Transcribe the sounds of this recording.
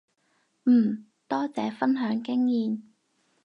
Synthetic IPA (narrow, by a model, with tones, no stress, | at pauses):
m̩ː˨˩ | t̪ɔː˥t͡sɛː˨˥fɐ˥nɦœː˨˥ŋkɪ˥ŋjiː˨˧n